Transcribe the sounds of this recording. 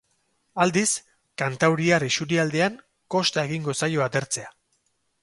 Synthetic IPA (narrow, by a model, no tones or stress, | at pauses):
ald̪is | kant̪awɾiarisuɾiald̪e̞aŋ | ko̞st̪ae̞ɣiŋɡosajo̞at̪e̞ɾt͡se̞a